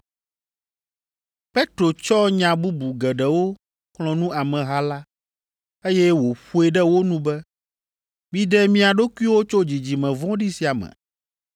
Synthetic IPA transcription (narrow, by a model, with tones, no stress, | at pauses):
pɛ˦t̪ɾo˨t͡ʃɔ˦ɲã˨bu˦bu˨ɡɛ˨ɖɛ˨wo˦ | kl̃ɔ̃˨nũ˦a˨mɛ̃˨ɦa˦la˦ | e˦jɛ˦wo˨ɸu˦e˨ɖɛ˦wo˦nũ˦bɛ˦ | mĩ˦ɖɛ˦mĩ˦a˨ɖo˦ku˦i˦wo˦t͡ʃo˦d͡ʑi˨d͡ʑi˨mɛ̃˨vɔ̃˦ɖi˦si˨a˨mɛ̰̃˨